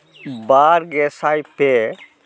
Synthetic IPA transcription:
baːɾɡeːsaːjpe

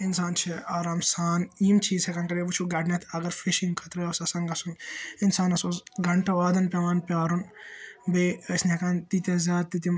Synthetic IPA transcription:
insaːnt͡ʃʰiaːɾaːmsaːniːmt͡ʃʰiːzhɐkaːnkɐɾebut͡ʃʰuɡɐɖnʲɐt̪ʰɐɡɐɾfʰiʃiŋɡkʰɐt̪ɾɐosɐsɐŋɡɐsuninsaːnɐsoːzɡɐɳʈɐʋaːd̪ɐnpʲɐʋaːnpʲaːɾunbeːəsniɦɐkant̪it̪ʲɐzʲaːd̪̚t̪ːit̪im

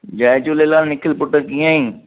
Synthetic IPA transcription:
d͡ʒaːt͡ʃʊleːlaːlnɪkʰəlpʊʈːəkijãːiː

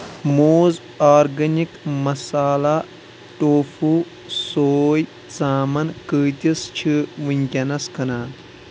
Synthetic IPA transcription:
moːz | aːɾɡɐnikmɐsaːla | ʈoːfuː | soːj | t͡saːmɐnkəːt̪ʲist͡ʃʰiʋɨnʲkʲɐnɐskɐnaːn

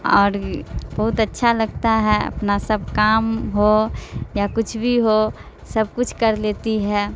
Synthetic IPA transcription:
ɔ̰ːɾbəɦʊt̪ətːʃʰaləɡt̪aɦɛə̰pnasəb̚ʱkaːmɦojakʊt͡ʃʰbʱiɦo | səb̚kʊt͡ʃʰkəɾleːt̪iɦɛ

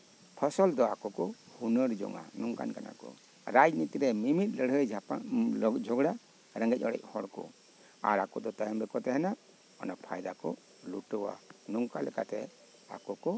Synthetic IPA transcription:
pʰɔsɔld̪ɔakɔkɔhunəɾd͡ʒɔ̰ŋa̰nuŋka̰nkana̰kɔ̰ | ɾad͡ʒnit̪ɾɛmimit̪̚ˀləɽɦəjd͡ʒ | d͡ʒʱɔɡɽa | ɾəŋɡɛc̚ˀɔɽɛ̰c̚hɔɽkɔ̰ | a̰ɾakɔd̪ɔt̪ajɔmbɛkɔt̪ɛɦɛna | ɔ̰napʰa̰jd̪akɔ | luʈəwa̰nuŋkalɛka̰t̪ɛ̰ | a̰kɔkɔ

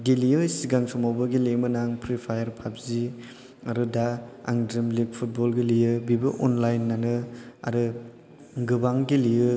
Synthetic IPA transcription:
ɡilijɯjsiɡaŋsɔmawbɐɡilemɯnaŋpʰɾipʰajɐɾpʰap̚zi | aɾɯdaa̰ŋdɾimliɡ̚pʰut̚bɔlɡilijɯbibɯʔɔnlajnːanɯa̰ɾɯ | ɡɯbaŋɡilijɯ

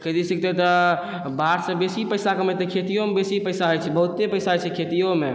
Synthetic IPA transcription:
kʰet̪isik̚t̪et̪ɔ | baɾsəbesipəjsakəməjt̪ekʰet̪ijomebesipəɪsaɦojt͡ʃʰɛbəɦut̪ːepəjsaɦojt͡ʃʰɛkʰet̪ijome

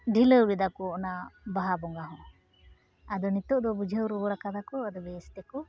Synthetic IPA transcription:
ɖʱiləwɾid̪akɔːnabaɦabɔŋɡaɦɔ̃ | ad̪ɔnit̪ɔʔd̪ɔbud͡ʒʱəwɾɔbɔɽakad̪akɔad̪ɔbɛst̪ɛkɔ

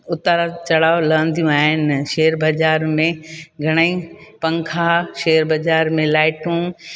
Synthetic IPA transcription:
ʊt̪aɾat͡ɕɐɽ̤aːolɐʋə̃nd̪ʱijũaːɦɪnɪʃeːɾbɐd͡ʑaːɾmẽɡʱɐɽ̃əĩpɐ̃ŋkʰaʃeːəɾbɐd͡ʑaːɾmẽlaːɪʈũ

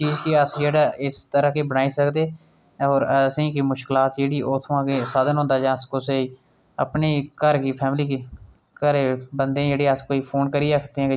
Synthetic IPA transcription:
t͡ʃiːzkiːəsd͡ʒeːɽaːʔɪst̪əɾəkeːbənaːisəkd̪eː | ɔːɾəsĩːkiːmʊʃkɪlaːt̪jeːɽiːʔɔːt̪ʰoãːkesaːd̪ənɦõːnd̪aːd͡ʒãːskoːsei | ə̰pneːkəɾkiːpʰɛːmliːkikəɾebənd̪ẽːjeːɽeːəskoːiːpʰoːnkəɾiɾəkʰt̪eɦɛ̃ːk

